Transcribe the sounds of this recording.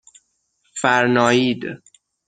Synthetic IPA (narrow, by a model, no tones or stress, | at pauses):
fæɾnɒːjiːd̪